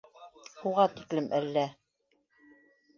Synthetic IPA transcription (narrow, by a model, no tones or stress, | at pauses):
ʃuʁɑt̪iklɘmʔælːæ